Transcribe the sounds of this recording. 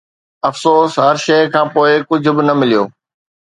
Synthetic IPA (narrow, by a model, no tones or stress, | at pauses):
ɐfsoːsɦɐɾʃɐjkʰãːpoːɪkʊd͡ʑʱʊ̆bɪnɐmɪlijoː